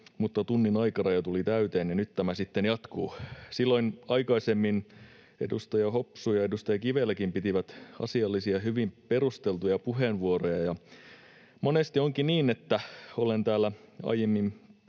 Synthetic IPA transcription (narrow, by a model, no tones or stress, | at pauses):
mut̪ːɑt̪unːinɑikɑnɑjɑt̪ulit̪æyt̪eːnjɑnyt̪t̪æmæsit̪ːenjɑt̪kuːsilːo̞inɑikɑisemːin | ḛdust̪ɑjɑhopsujɑedust̪ɑjɑkiʋelːækimpit̪iʋæt̪ɑ̰siɑlːisiɑɦyʋimpeɾust̪elt̪ujɑpuɦenʋuorojɑjɑ | monest̪ioŋkiniːnet̪ːæolent̪æːlːæɑ̰ijemːim